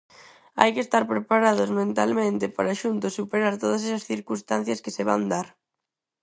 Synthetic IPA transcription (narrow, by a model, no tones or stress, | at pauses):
a̰jkest̪aɾpɾepaɾaðʊzmẽnt̪almẽnt̪ɪpaɾaʃunt̪ʊsːupeɾaɾt̪oð̞ɐs̬ɛsɐsθiɾkunst̪an̟θjɐskɪseβa̰nd̪aɾ